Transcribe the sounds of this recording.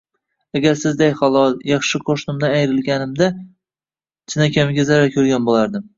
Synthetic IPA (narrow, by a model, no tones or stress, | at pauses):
aɡʲaɾsɪzd̪ajχɒlˠɒlˠjɑχʃɪqʰoʃnɪmd̪aːjɾɪlɡʲanɪmd̪a | t͡ʃʰɪnakʲʰamɪɡʲazaɾakʲʰɵɾɡʲanbolaɾd̪ɪm